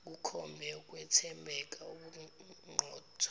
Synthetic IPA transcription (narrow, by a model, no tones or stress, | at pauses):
k̬ukʰɔmbʱɛuk̬ʼwɛtʰɛmbʱɛk̬ʼauɓuŋ͡ǃʱɔːtʰa